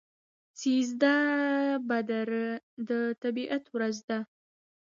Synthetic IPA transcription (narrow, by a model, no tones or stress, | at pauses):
t͡sizd̪a | bad̪aɾəd̪ət̪abiːʔat̪ʰwɾazd̪a